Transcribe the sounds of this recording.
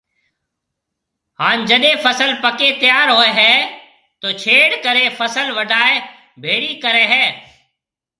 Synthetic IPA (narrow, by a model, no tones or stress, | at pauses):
haːnd͡ʒəɗẽːfəsəlpəkeːt̪ɪjaːɾɦoːeɦɛː | t̪oːt͡ʃʰeːɽkəɾeːfəsəlʋəɖʱaːe | bʱeːɽiːkəɾeːɦɛː